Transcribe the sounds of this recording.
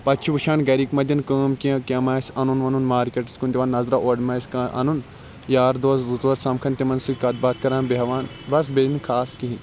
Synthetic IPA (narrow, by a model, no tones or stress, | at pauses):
pɐt͡ʃʰiʋuʃaːnɡɐɾiːkmɐd̪ʲɐnkəːmkiɐ̃kʲɐmaːsʲɐnunʋɐnunmaːɾkʲeʈi̥skund̪ʲiʋaːnːɐzɾaːʔoːɖmaːsʲkɐʔɐ̰nun | jaːɾd̪oːszzoːɾsɐmkʰɐnt̪imɐnsɨkɐt̪̚baːt̪̚kɐɾaːnbeɦɐʋaːn | bɐs̬bed̪inkʰaːskĩɦin